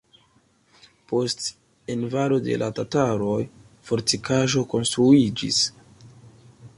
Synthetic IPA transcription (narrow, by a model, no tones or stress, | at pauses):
po̞st | e̞nvaɾode̞̰lʔatataɾo̞j | fo̞ɾtikʰaʒo̞ko̞nstɾuid͡ʒḭs